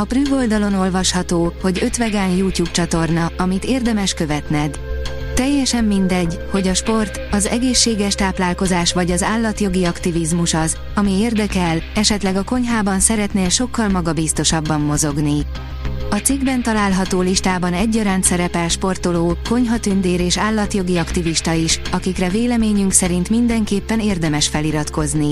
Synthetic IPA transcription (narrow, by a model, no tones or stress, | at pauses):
ɒpryːɡo̞ld̪ɒlo̞no̞lvɒʃhɒt̪oːho̞ɟø̞t̪ʋɛɡanjuːcuːp̚t͡ʃɒt̪o̞rnɒɒmit̪eːrd̪ɛmɛʃkø̞vɛt̪nɛd̪t̪ɛjːɛʃɛmːind̪ɛɟho̞ɟɒʃpo̞rt̪ɒzɛ̰ɡeːʃːeːɡɛʃt̪aːplaːlko̞zaːʃʋɒɟɒzaːlːɒt̪jo̞ɡiɒkt̪ivizmuʃɒz | ɒmieːrd̪ɛkɛlɛʃɛt̪lɛɡɒko̞ɲɦaːbɒnsɛɾɛt̪neːlʃo̞kːɒlmɒɡɒbist̪o̞ʃɒbːɒmːo̞zo̞ɡni | ɒt̪siɡbɛnt̪ɒlaːlɦɒt̪oːliʃt̪aːbɒnɛɟːɒɾaːnt̪sɛɾɛpɛlʃpo̞rt̪o̞loːko̞ɲɦɒt̪ynd̪eːɾeːʃaːlːɒt̪jo̞ɡiɒkt̪iviʃt̪ɒiʃɒkikrɛveːlɛmeːɲyŋksɛɾint̪mind̪ɛŋkeːpːɛneːrd̪ɛmɛʃfɛliɾɒt̪ko̞zni